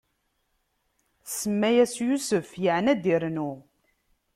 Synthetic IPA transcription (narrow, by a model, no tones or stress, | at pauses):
səmːæjæsjusəfjəʕnæd̪iɾnu